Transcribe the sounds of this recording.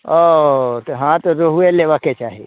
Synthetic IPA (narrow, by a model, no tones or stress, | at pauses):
ot̪oɦãt̪oɾoɦueleʋaket͡ʃaːɦḛ